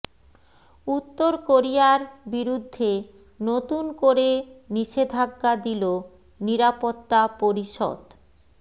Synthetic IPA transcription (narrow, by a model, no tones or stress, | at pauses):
ut̪ːoɾkoɾijaɾbiɾud̪ʱːe | not̪unkoɾeniʃed̪ʱaɡːad̪ilo | niɾapot̪ːapoɾiʃɔ̰d̪